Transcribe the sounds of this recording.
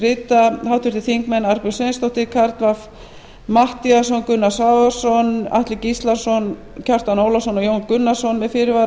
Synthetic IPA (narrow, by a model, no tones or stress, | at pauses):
rɪːt̪ahawt̪ʏɾ̥t̪ɪθiŋkmɛnaɾpʏ̥sejnst̪ɔht̪ɪkʰaɾt̪vaf | maht̪ias̬ɔnkʏnːasavḁsɔna̰ht̪lɪcist̪laɾ̥sɔn | cʰar̥t̪anowlasɔnɔjownkʏnːḁsɔnmɛðfɪːɾɪva